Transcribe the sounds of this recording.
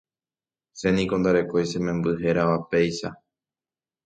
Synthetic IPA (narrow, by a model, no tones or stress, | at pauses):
se̞nĩkõ̞nd̪aɾe̞ko̞jsẽ̞mẽ̞mbɨɦe̞ɾaʋape̞jʃa